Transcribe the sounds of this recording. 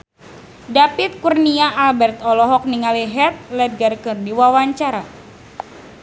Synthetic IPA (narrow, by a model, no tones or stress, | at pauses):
dapit̪̚kurniaʔːlbɛrt̪ɔlɔɦɔk̚niŋaliɦɛrt̪̚lɛd̪̚ɡarkɨrdiwawaɲt͡ʃaɾa